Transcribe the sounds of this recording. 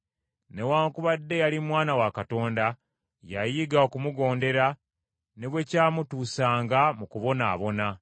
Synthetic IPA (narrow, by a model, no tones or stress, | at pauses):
ne̞waːŋkuβadːe̞jalimwaːnawakato̞ːnda | jajiɡaokumuɡo̞ːnde̞ɾa | ne̞βwe̞caːmutuːsaːŋɡamukuβo̞na̰ːβo̞na